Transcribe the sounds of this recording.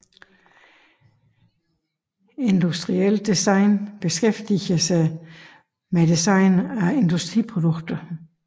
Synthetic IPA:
e̝nd̥usd̥ʁiel̰d̥isɑ̈ɪnb̥e̝sɡ̥efd̥iɐsɑɪ | med̥isɑ̈ɪnæe̝nd̥usd̥ʁipʰʁo̝d̥ɔɡ̥̚d̥ɐ

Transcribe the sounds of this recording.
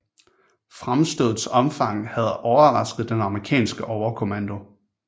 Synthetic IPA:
fʁamsd̥oːð̩ˠsɒ̽mfɑ̈ŋ̰hæð̞̩ˠʔɒʊɐʁɑ̈sɡ̥ð̞̩ˠd̥enɑ̈məʁikʰɛ̰ːnsɡ̥əʔɒʊɐkʰo̝mænd̥o̝

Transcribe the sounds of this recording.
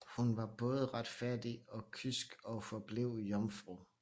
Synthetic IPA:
hunʋɑ̈b̥ɔ̽ːð̞ˠəʁɑ̈d̥fæɐ̰d̥iɒ̽kʰysɡ̥ɒ̽fɒb̥leʊ̰jɒmfʁṵ

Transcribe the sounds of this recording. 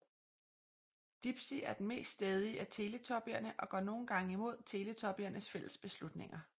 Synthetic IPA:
d̥ib̥siæɐd̥n̩me̝̰ːsd̥sd̥ɛːð̞ˠiʔæt͡sʰe̝ːlət͡sʰɒ̽b̥iɐnəʔɒ̽ɡ̥ɶ̰ːno̝ːn̩ɡ̥ɑ̈ŋəimo̝ð̞̰ˠt͡sʰe̝ːlət͡sʰɒ̽b̥iɐnəsfel̰əsb̥e̝slud̥ne̝ŋɐ

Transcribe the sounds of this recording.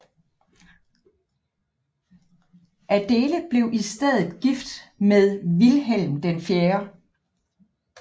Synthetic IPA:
ʔæd̥e̝ːləb̥le̝ʊʔisd̥eð̞̰ˠð̩ˠɡ̥ifd̥meðˠʋilɦel̰md̥enfjeːɐ

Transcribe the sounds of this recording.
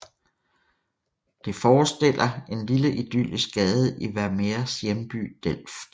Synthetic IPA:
d̥e̝fɒːsd̥e̝l̰ʔɐe̝nliləʔid̥yl̰isɡ̥ɡ̥ɛːð̞ˠʔiʋæɐmeɐsjemb̥y̰d̥el̰f

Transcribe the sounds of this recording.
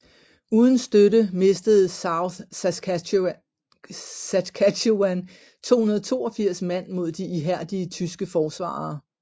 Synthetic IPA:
uːðˠn̩sd̥øɾəme̝sd̥əð̞̩ˠsʊ | sækʰædoæn | t͡sʰo̝̰ːhunɐðˠɒt͡sʰo̝̰ːɒfiɐ̰smæn̰mo̝ð̞̰ˠd̥iʔiɦæɐ̰d̥iət͡sʰysɡ̥əfɒːsʋɑ̰̈ː

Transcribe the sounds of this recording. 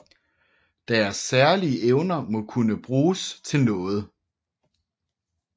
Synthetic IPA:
d̥æɐsːæɐliəʔeʊnɐmɔ̽kʰunəb̥ʁuːst͡sʰe̝lnɔ̽ːð̞̩ˠ

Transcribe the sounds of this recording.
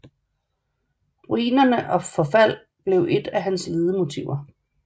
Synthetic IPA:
ʁuiːnɐnəʔɒ̽fɒ̽fæl̰ | b̥le̝ʊʔe̝d̥æɦænsle̝ːð̞ˠəmo̝t͡sʰiʊ̰ɐ

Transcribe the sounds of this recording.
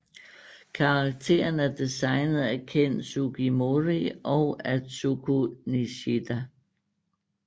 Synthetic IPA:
kʰɑ̈ɑ̈ɡ̥̚t͡sʰe̝̰ːɐnæd̥isɑ̈ɪnð̩ˠækʰen̰̥suɡ̥ʰimoʁiɒʊæ̥sukʰuniɕid̥æ

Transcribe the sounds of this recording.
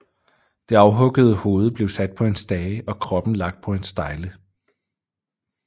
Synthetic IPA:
d̥e̝ɑ̈ʊɦɔ̽ɡ̥əð̞̩ˠəho̝ːð̞̩ˠb̥le̝ʊsæd̥̚pʰɒ̽e̝nsd̥ɛːʔɒ̽kʰʁɒ̽b̥n̩lɑ̈ɡ̥̚d̥̚pʰɒ̽e̝nsd̥ɑ̈ɪlə

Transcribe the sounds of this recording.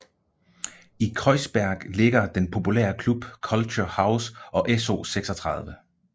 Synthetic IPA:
ikʰʁɒ̽ɪsb̥æɐɡ̥le̝ɡ̥ɐd̥enpʰo̝pʰulḛːɐkʰlub̥kʰɒ̽lt͡ɕʰohäʊsʔɒ̽ʔeso̝̰ːseɡ̥sɒ̽t͡sʰʁɑ̈ðˠʋə

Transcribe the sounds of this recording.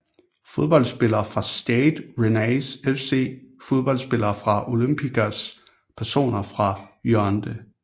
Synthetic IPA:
fo̝ð̞ˠb̥ɒ̽l̰sb̥e̝lɐːfʁɑ̈sd̥ed̥ʁenæɪsefse̝̰ːfo̝ð̞ˠb̥ɒ̽l̰sb̥e̝lɐːfʁɑ̈ʔo̝lym̰b̥iɡæs | pʰæɐso̝̰ːnɐfʁɑ̈jøɐnd̥ə

